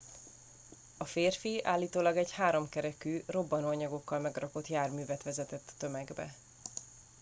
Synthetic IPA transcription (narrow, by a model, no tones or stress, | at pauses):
ɒfeːrfia̰ːlːiːt̪oːlɒɡɛɟhaːɾo̞mkɛɾɛkyːro̞bːɒnuɒɲɒɡo̞kːɒlmɛɡrɒko̞t̪jaːrmyːvɛt̪ʋɛzɛt̪ɛt̪ːø̞mɛɡbɛ̰